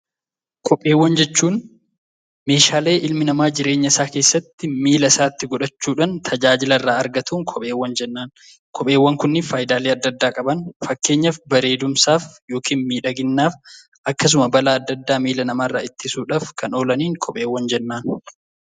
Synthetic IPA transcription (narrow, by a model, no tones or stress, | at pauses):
kʰɔpʼːe̞ːwːɐnd͡ʒɛt͡ʃːuːn | me̞ːʃaːle̞ːʔɪlmɪnɐmaːd͡ʒɪɾe̞ːɲːɐɪsaːke̞ːsːɐt̪ːɪmiːlɐsaːt̪ːɪɡɔᶑɐt͡ʃːuːᶑɐnt̪ʰɐd͡ʒaːd͡ʒɪlɐrːaːɐɾɡɐt̪ʰuːŋkʰɔpʼe̞ːwːɐnd͡ʒɛnːaːn | kʰɔpʼeːwːɐŋkʊnːɪfaːjɪd̪aːleːɐd̪ːɐd̪ːaːkʼɐbɐnfɐkːe̞ːɲːɐfbɐɾe̞ːd̪ʊmsaːfjo̞ːkiːnmiːᶑɐɡɪnːaːf | ɐkːɐs̬ʊmɐbɐlaːɐd̪ːɐd̪ːaːmiːlɐnɐmaːrːaːɪt̪ːɪsuːᶑaːfkʰɐno̞ːlɐniːŋkʰɔpʼe̞ːwːɐnd͡ʒɛnːaːn